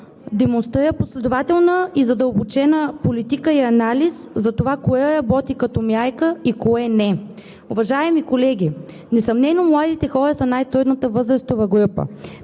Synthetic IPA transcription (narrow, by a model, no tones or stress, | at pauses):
d̪ɛmonst̪ɾiɾəposlɛd̪ʊvat̪ɛlˠnəizɐd̪əlˠbot͡ʃɛnəpolit̪ikəiɐnaliszɐt̪ovakoɛɾɐbɔt̪ikɐt̪ɔmʲjajkəikoɛnɛ | ʊvɐʒaɛmikolɛɡ̟ʲi | nɛsɐmnɛnomlˠad̪it̪ɛxɔɾəsɐnajt̪ɾud̪nət̪əvɤzɾəst̪ovɐɡɾupə̰